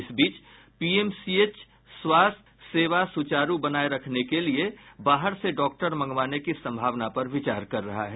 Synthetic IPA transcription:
ɪsbiːt͡ʃ | piːeːmsieːt͡ʃ | swaːst̪seːʋasʊt͡ʃaːɾubɐnaːeɾɐkʰnekeliebaːɦəɾseɖɔːk̚ʈəɾmɐ̃ŋɡʋaːnekisɐ̃mbʱaːʋnapɐɾʋɪt͡ʃaːɾkɐɾːɐɦaɦɛː

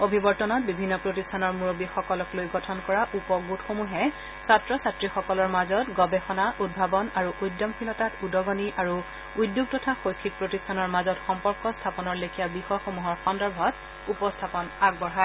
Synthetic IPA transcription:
obʱibɔɹtɔnɔt̚bibʱinːɔpɹotistʰanɔɹmuɹobixɔkɔlɔklojɡɔtʰɔnkɔɹaʔupɔɡutxomuɦɛ | satɹɔsatɹixɔkɔlɔɹmazɔtɡɔbɛxɔnaʔud̚bʱabɔnaɹuʔujdːɔmpʰilɔtatudɔɡɔniʔaɹu | ujdjuɡ̚tɔtʰaxojkʰːik̚pɹotistʰanɔɹmazɔtxɔmpɔɹkɔstʰapɔnɔɹlekʰijabixɔjxomuɦɔɹxɔndɔɹbʱɔt | upɔstʰapɔnaɡbɔɹɦa

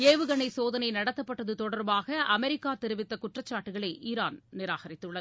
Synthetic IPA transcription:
eːʋɯɣɐɳɐɪsoːðɐnɐɪnɐɽɐt̪ːɐpːɐʈːɐðɯt̪ɔɽɐɾbaːɣɐʔɐmɛɾɪkːaːt̪ɛɾɯʋɪt̪ːɐkʊʈrɐt͡ʃːaːʈːɯɣɐɭɐɪʔiːɾaːnnɪɾaːɣɐɾɪt̪ːɯɭːɐð

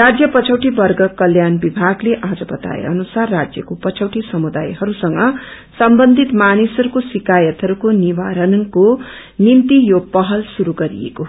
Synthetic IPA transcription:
rad͡zjʌpʌt͡sʰʌwʈibʌrɡʌkʌljanbibʱaɡleʔad͡zʌbʌt̪a̰ḛʌnusarːad͡zjʌkopʌt͡sʰʌwʈisʌmud̪ajɦʌɾusʌŋɡʌ | sʌmbʌnd̪ʱit̪manisʌɾukosikajʌt̪ɦʌɾukoniwaɾʌnko | nimt̪ijopʌɦʌlsuɾuɡʌɾḭḛko

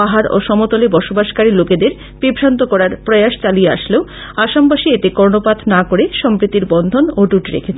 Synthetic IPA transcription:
aɦaɾo̰ʃɔmot̪olebɔʃobaʃkaɾiloked̪eɾ | bibʱɾant̪okɔɾaɾpɾojaʃt͡ɕalijea̰ʃleo | aʃampaʃiet̪ekɔɾnopat̪ʰnakoɾeʃɔmpɾit̪ːiɾbɔnd̪ʱonoʈuʈɾḛkʰet͡ɕʰ

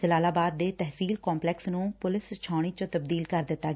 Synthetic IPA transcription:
d͡ʒəlaːlaːbaːd̪̚ːeːt̪ɛɦsiːlkɔːmplɛːksnũːpʊlɪst͡ʃʰaːɽ̃iːt͡ʃõt̪əb̚d̪iːlkəɾd̪ɪt̪ːaː

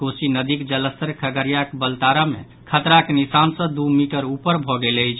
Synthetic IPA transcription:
kosinəd̪ikd͡ʒələst̪əɾkʰəɡəɾijakbəlt̪aɾamḛ | kʰət̪ɾakenisansə̃d̪umiʈəɾupəɾbʱɔɡeləjt͡ʃʰ

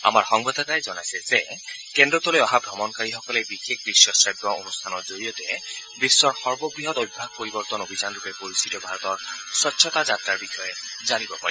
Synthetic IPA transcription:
a̰maɹxɔŋbɔd̪ʱatajzɔnajsɛzɛ | kɛndɔt̪ɔlojɔɦaɡʱɔmɔnkaɹixɔkɔlɛbixek̚bisjɔsɹabwaonust̪ʰanɔɹzoɹijɔtɛ | bisːɔɹxɔɹbɔbɹiɦɔt̪ojbbʱaɡ̚poɹibɔɹt̪ɔnobʱizanɹupɛpoɹist̪ʰitɔbʱaɹɔt̪ɔɹsɔtːsʰɔtazat̪ɹaɹbixɔjɛzanibɔpa̰ɹi

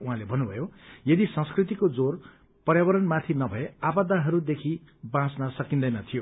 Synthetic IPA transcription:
uɦãlebʱʌnːubʱʌjojʌd̪isʌ̃ŋskrit̪̬ikod͡zor | pʌrjabʌɾʌnmat̪ʰinʌbʱʌeabad̪ʱaɦʌɾud̪ekʰi | bãsnʌsʌkĩnd̪ʌjnʌt̪ʰijo

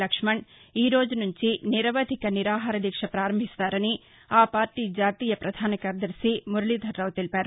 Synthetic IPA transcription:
ɐkʂmɐɳiːɾo̞ːd͡ʒunuɲt͡ʃiniɾɐʋɐd̪ʱikɐniɾaːɦaːɾɐd̪ikʂɐpɾaːɾɐmbʱist̪aːɾɐni | aːpaːɾʈiːd͡ʒaːt̪iːjɐpɾɐd̪ʱaːnɐkɐːɾd̪ɐɾsimuɾuɭid̪ʱɐɾːɐʋt̪ilipaːɾu

